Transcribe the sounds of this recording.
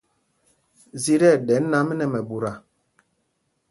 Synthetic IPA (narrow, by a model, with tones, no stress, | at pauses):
zi˦ɾɛ˦˨dɛ˨˦nː˦a˦mɛ˦nɛ˨mɛ˨bu˨ɾa˨